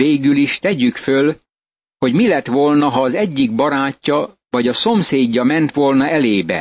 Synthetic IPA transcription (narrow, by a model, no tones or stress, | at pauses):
eːɡyliʃt̪ɛɟykføl | ho̞ɟmilɛt̪ʋo̞lnɒɦɒːzɛɟːiɡ̚bɒɾaːcːɒ | vɒɟɒso̞mseːɟːɒmɛnt̪ʋo̞lnɒɛleːbɛ̰